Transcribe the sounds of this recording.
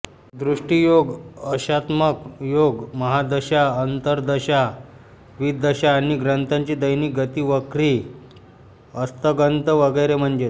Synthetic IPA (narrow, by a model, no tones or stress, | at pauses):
d̪ɾuʂʈijoɡəɕat̪məkjoɡməɦad̪əɕaənt̪əɾd̪əɕa | ʋid̪əɕaːɽ̃iɡɾənt̪ʰaɲt͡ɕiːd̪əjniːk̚ɡət̪iːʋəkɾiː | əst̪əɡənt̪əʋəɡəjɾem̤əɳd͡ʑet̪